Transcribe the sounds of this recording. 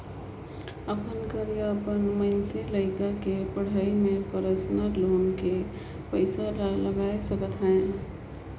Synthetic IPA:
əpʰənkəɾijəpənməɪnseləɪkakepəɽ̤əimẽpəɾəsnəɾloːnke | pəɪsalləɡaːjsəkət̪ɦɛ̃

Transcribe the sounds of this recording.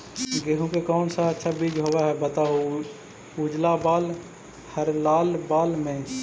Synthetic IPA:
ɡeːɦũkekɔːnsaətːʃʰabiːd͡ʒɦoːʋaɦɛbət̪aɦo | uːd͡ʒlabaːl | həɾlaːlbaːlmẽ

